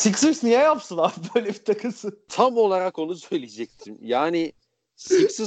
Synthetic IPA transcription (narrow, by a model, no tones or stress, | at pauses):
siksɯsnjajapsɯnˠaɾbøjlʲɛbi̥t̪ʰakʰɯsɯnt̪ʰamo̞lˠaɾako̞nusø̞jlʲied͡ʒɛc̚t̪ʰimjaːnɪ | siksɯ